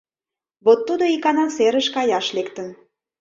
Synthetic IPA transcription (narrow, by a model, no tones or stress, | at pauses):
βot̪ːud̪oikɑnɑseɾəʃkɑjɑʃlekt̪ən